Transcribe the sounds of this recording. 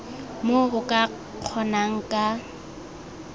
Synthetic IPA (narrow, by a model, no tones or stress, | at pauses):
moʊkʼa | q͡χʰɔnaŋ̩kʼa